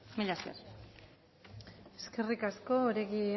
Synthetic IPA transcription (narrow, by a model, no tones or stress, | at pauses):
miʎaskḛɾ | e̞ske̞rikasko̞ːɾe̞ɣi